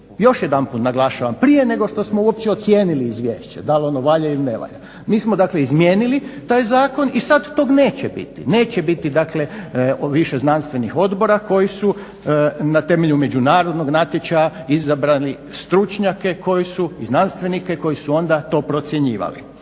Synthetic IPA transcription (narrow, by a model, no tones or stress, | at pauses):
jo̞ʃjed̪anput̪naɡlˠaʃaʋampɾije̞ne̞ɡo̞ʃt̪o̞smouop̚t͡ɕeot̪sje̞ːniliːzʋʲjḛːʃt͡ɕed̪alo̞noʋaʎailineʋa̰ʎa̰ | miːsmod̪akle̞izmjeːnilit̪aːjzaːko̞nisad̪ːoɡne̞ːt͡ɕebḭt̪ḭne̞ːt͡ɕebit̪id̪akle̞ʋiʃeznanst̪ʋe̞nixo̞d̪bo̞ɾako̞jisu | nat̪e̞me̞ʎume̞d͡ʒunaːɾo̞d̪no̞ɡnat̪jet͡ʃajaizabɾali | st̪ɾut͡ʃɲakeko̞jisuiznanst̪ʋenike̞ko̞jisuo̞nd̪at̪o̞ːpɾo̞t̪sjeɲiːʋa̰lḭ